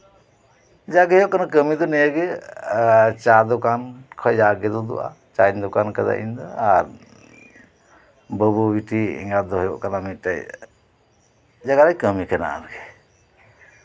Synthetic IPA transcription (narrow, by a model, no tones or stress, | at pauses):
d͡ʒaɡɛjɔʔkanakəmid̪ɔnɛjəɡɛ | t͡ʃad̪ɔkankʰɔjd͡ʒaɡɛd̪ɔd̪ṵʔa̰ | t͡ʃand̪ɔkankad̪a̰ʔḭnd̪ɔaɾ | bəbubiʈiɛ̰ŋɡad̪ɔɦɔjɔʔkanamit̪̚ʈaj | d͡ʒaɡaɾajkəmikʰɛna̰ʔa̰ɾɡɛ